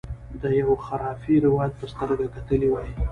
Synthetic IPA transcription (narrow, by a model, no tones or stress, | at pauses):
d̪əjawxaɾɑfiɾɪwɑjad̪̚pəst̪əɾɡakat̪əliwɑji